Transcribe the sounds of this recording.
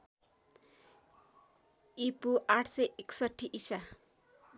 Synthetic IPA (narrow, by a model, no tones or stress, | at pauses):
ipuʔaʈʰsʌʔeksʌʈʰːiʔisa